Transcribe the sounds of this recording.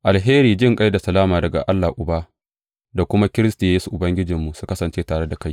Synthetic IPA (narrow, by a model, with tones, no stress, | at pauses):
ʔa˨lɦeː˦ɾiː˨d͡ʒɪ˦ŋkʼa˦jda˨sɐ˨laː˦maː˨dɐ˨ɡa̰˨ʔa˦lːa˨ʔʊ˨baː˦ | da˨kʷʊ˦ma˦kʲɪ˦ɾɪ˦sta˨jeː˦su˨ʔʊ˨bɐ˦ŋɡʲɪ˦d͡ʒɪ˨mːu˨su˦kɐ˦sɐ˨nt͡ʃeː˦taː˨ɽe˦da˨ka˦j